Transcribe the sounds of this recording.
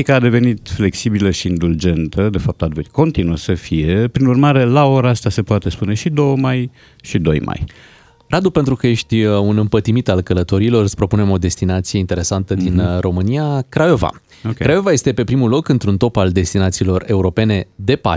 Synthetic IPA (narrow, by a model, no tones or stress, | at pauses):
ikəad̪e̞ve̞nit̪fle̞ksibiləʃiːnd̪uld͡ʒe̞nt̪ʰəd̪e̞fap̚t̪ad̪veko̞nt̪inuəsəfije̞pɾinurmaɾe̞lao̞ɾaast̪ase̞poat̪e̞spune̞ʃid̪o̞wəmaj | ʃid̪o̞̰jmʔa̰j | rad̪upe̞nt̪ɾukəje̞ʃt̪ʲunɨmpət̪imit̪alkələt̪o̞ɾilo̞rɨspɾo̞pune̞mo̞d̪e̞st̪inat̪sije̞int̪e̞ɾe̞sant̪əd̪inro̞mɨnijakɾaova̰ | okɾajo̞vaje̞st̪e̞pe̞pɾimulo̞kɨnt̪ɾunt̪o̞pald̪e̞st̪inat̪siːlo̞re̞uɾo̞pe̞ne̞d̪e̞pa̰